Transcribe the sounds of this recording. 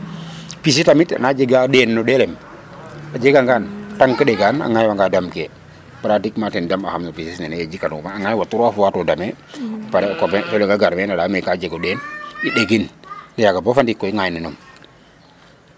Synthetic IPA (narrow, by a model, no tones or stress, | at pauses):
pis̬itamita̰nad͡ʒeɡaɗɛnːɔdɛlɛm | ad͡ʒeɡaŋɡantaŋkəɗɛɡana̰ŋajwaŋɡadamkɛ | pɾatikmatɛndamahamnopisisnaneed͡ʒikanumaaŋajwatuɾafuwatɔdamɛpaɾɛkɔpɛpɛlɛɡaɡaɾmɛnadamɛkad͡ʒɛɡɔɗɛniɗeɡinnɛjaɡabɔfandikːɔiŋajninɔm